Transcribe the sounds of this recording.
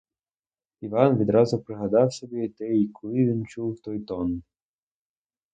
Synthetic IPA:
iʋɑnʋʲid̪ɾɑzʊpɾɪɦɐd̪ɑwsɔbʲit̪ɛjikʰɔlˠɪʋʲint͡ʃuwt̪ɔjt̪ɔn

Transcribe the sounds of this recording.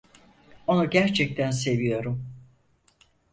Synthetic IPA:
o̞nuɟæɾt͡ʃʰɛc̚t̪ʰæns̬e̞vijo̞ɾum

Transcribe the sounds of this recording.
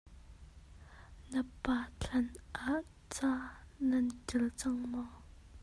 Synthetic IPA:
nəpːaɬʰanʔaʔ | t͡sananʈ͡ʂəlt͡saŋma

